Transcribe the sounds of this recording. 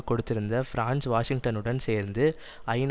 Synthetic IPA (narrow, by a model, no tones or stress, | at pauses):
kɔɽɯt̪ːɪɾɯnd̪ɐfɪɾaːnsʋaːʂɪŋʈɐnɯɽɐnseːɾnd̪ɯ | ɐɪn